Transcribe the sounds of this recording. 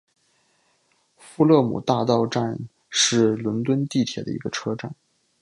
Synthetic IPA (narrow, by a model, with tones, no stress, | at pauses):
fu˥˧lɤ˥˩mṵ˨˩t̪a˥˧t̪ɑ˥˧ʊʈ͡ʂa˥˧n | ʂɻ̩˥˩lwə˧˥nt̪wə˥nt̪i˥˩t̪ʰjɛ̰˨˩d̪ə̰˦ḭ˧˥ɡə˧ʈ͡ʂʰɤ˥ʈ͡ʂa˥˩n